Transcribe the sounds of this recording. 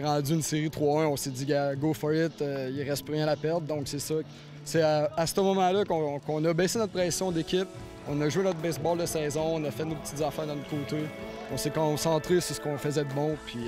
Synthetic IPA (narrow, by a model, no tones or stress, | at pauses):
ʁɑ̃ːd͡zyːnseʁit̪χʁwaɛ̃ɔ̃sed͡ziɡaɡofɔɪt̪øiʁɛst̪pyʁjɛ̃alapɛʁt̪̚d̪ɔ̃ksɛsʌ | sɛaast̪əmɔmɑ̃lʌkɔ̃kɔ̃nʌbɛːsenɔt̪̚pχɛːsjɔ̃d̪ekʲɪp̚ | ɔ̃nʌʒuwenɔt̪̚bɛsbɑld̪əsɛːzɔ̃ɔ̃nʌfɛt̪̚nopə̥t͡si̥t̪zafæːʁd̪ənɔt̪̚koːt̪e | ɔ̃sɛkɑ̃mɛ̃msɑ̃ːt̪ʁesusə̥kɔ̃fəzɛd̪bɔ̃pʰi